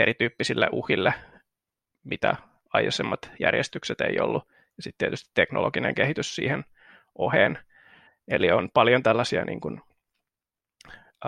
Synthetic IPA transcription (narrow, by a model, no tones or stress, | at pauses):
eɾit̪yːpːisilːeʔuhilːe | mit̪æ | ɑjɑsemːɑt̪jærjest̪ykset̪ḛijolːu | jɑsit̪t̪iet̪yst̪i̥t̪t̪ekno̰loɡinḛŋkehit̪yssḭːhen | ʔoheːn | elionpɑljont̪ælːɑsiɑnʔḭːŋkun